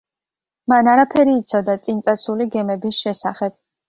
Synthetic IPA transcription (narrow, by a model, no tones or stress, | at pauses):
manaɾapʰɛɾiːt̪sʰɔd̪at̪sʼint̪sʼasuliɡɛmɛbisʃɛsaχɛb̥